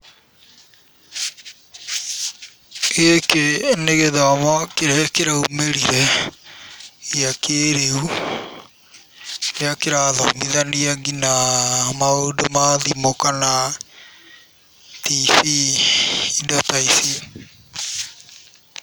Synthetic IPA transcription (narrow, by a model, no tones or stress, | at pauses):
ekeneɣeðamɔkeɾɛkeɾaumeɾiɾɛ | iakʰeɾeu | eakeɾaðɔ̰miðaniaɡinamaodomaðimokana | tifiː | ndɔtaisi